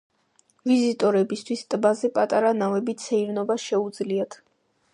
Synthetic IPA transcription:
vizit̪ʼɔɾɛbist̪ʰwist̪ʼbazɛpʼat̪ʼaɾanavɛbit̪sʰɛiɾnɔbasʃɛud̪zliat̪ʰ

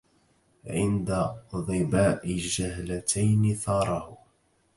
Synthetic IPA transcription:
ʕɪnd̪aðˤɨbaːʔɪd͡ʒahlat̪ʰajnɪθɑːɾˤɑhʊ

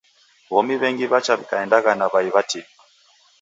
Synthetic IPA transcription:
βɔmiβɛŋɡiβat͡ʃaβikaɛndaɣanaβaiβatikḁ

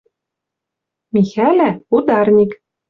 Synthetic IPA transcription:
mʲixælʲæud̪ɑrnʲik

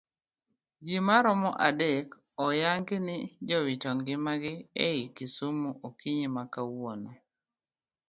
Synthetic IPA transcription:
d͡ʒimaɾɔmɔʔadek | ɔjaŋɡɪnɪd͡ʒɔwɪtɔŋɡɪmaɡɪeikisumoʔokiɲimakawɔnɔ

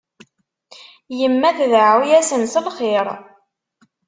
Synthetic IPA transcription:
jəmːæθðʕwjæsənsəlχeɾˤ

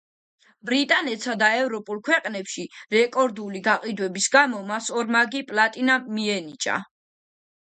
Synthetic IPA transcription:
bɾit̪ʼanɛt̪sad̪aɛvɾɔpʼulˠkʰwɛqʼnɛpʃiɾɛkʼɔɾd̪uliɡaqʼid̪wɛbisɡamɔmasɔɾmaɡipʼlˠat̪ʼinamiɛnit͡ʃʼa̰

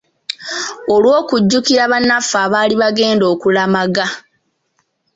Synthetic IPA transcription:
olwo̞ːkuɟːukiɾaβanːafaːβaːliβaɡe̞ːndo̞ːkulamaɡa

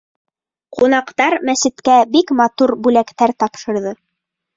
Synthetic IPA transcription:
qunɑqt̪ɑɾmæsɘ̆t̪kæbikmɑt̪uɾbʉlækt̪æɾt̪ɑpʃɤ̆ɾðɤ

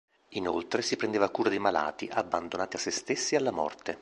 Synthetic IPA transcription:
ino̰lt̪ɾesipɾend̪eːvakuːɾad̪ejmala̰ːt̪iʔabːand̪onaːt̪iasːest̪esːialːamɔ̰rt̪e

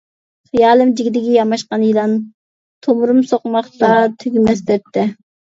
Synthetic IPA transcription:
χijɑːlˠɨmd͡ʒiɡʲid̪ɪɡʲɛjɑmɑʃqɑnjilˠɑn | t̪ʰomʊɾumsoqmɑχt̪ɑt̪ʰyɡʲymɛsd̪ɛp̚t̪ʰːɪ

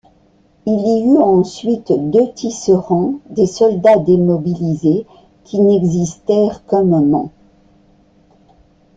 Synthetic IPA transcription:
iliyɑ̃sɥit̪d̪øt̪isəʁɑ̃d̪esɔld̪ad̪emɔbilize | kʲinɛɡzist̪ɛʁkə̃mmɑ̰̃

